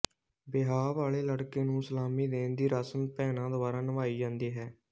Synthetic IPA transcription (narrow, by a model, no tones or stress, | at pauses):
bɪɦaːʋaːɭeːləɽkeːnũːsəlaːmiːd̪eːnd̪iːɾaːsənpɛːnãːd̪oːbaːɾãːnəʋaːiːd͡ʒãːnd̪iːɦɛː